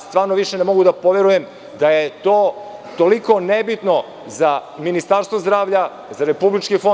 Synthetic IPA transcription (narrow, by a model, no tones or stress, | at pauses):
st̪ʋaːɾnoʋiʃenemo̞ɡud̪apo̞ʋe̞ɾujem | d̪ajet̪oːt̪oliko̞nebit̪no̞ | zaminist̪aɾst̪ʋozd̪ɾaːʋʎa | zaɾe̞publit͡ʃkifo